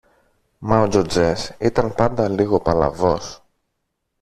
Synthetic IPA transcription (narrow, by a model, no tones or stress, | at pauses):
mɐod͡ʒod͡zesit̪ɐnpɐnd̪ɐliɣo̞pɐlɐ̰vo̞s